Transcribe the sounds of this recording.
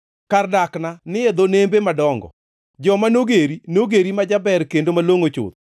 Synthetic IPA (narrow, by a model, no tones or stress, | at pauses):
kardaknanɪed̪onembemadɔŋɡɔ̰ | d͡ʒɔmanoɡeɾinoɡeɾimad͡ʒabɛrkendomaloŋot͡ʃʊ̰t̪